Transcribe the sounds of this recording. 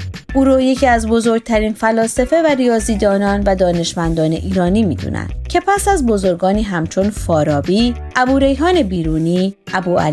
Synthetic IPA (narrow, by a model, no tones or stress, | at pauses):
ʔuːɾoje̞cʰiːæzbo̞zo̞ɾɡ̚t̪ʰæɾiːnfælɒːsefe̞væɾijɒːziːd̪ɒːnɒːnvæd̪ɒːne̞ʃmænd̪ɒːne̞ʔiːɾɒːniːmḭːd̪ṵːnʔæ̰nd̪cʰe̞pʰæsæzbo̞zo̞ɾɡɒːniːɦæmt͡ʃʰo̞nfɒːɾɒːbiːʔæbuːɾe̞jɦɒːne̞biːɾuːniːʔæbuːæ̰li